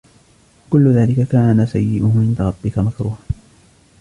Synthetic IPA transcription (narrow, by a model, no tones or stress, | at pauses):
kʊlːʊðaːlɪkakaːnasajːɪʔʊhʊʕɪnd̪aɾˤɑbːɪkamakɾuːha